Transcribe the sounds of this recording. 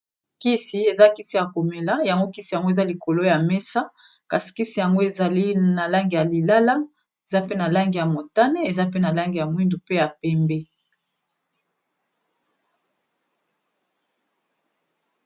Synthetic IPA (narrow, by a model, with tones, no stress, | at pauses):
ki˦si˦e˨za˦ki˦si˨ja˨ko˨me˨la˦ja˨ŋɡo˦ki˦si˨ja˨ŋɡo˦e˨za˦li˨ko˨lo˦ja˨mɛ˦sa˦ | ka˨si̥˨ki˦si˨ja˨ŋɡo˦e˨za˨li˦na˨la˦ŋɡi˨ja˨li˨la˦la˦ | e˨za˦pe˦na˨la˦ŋɡi˨ja˨mo˨ta˦ne˦e˨za˦pe˦na˨la˦ŋɡi˨ja˨mwi˦ndu˨pe˦ja˨pɛ˦mbɛ˦